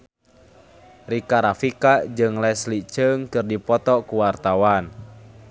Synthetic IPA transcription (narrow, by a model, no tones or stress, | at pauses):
rikaɾafikad͡ʒɨŋlɛslit͡ʃəŋkɨrdipɔt̪ɔkuwart̪awan